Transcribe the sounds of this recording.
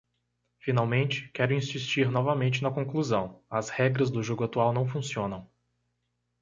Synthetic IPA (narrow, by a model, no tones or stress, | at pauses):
fĩnawmẽnt͡ʃɪ̥kɛɾʊĩsist͡ʃiɾnɔvɐmẽnt͡ʃɪnɐkõkluzɐ̃w̃ɐzhɛɡɾɐzd̪ʊʒoɡʊat̪uawnɐ̃w̃fũsiõnɐ̃w̃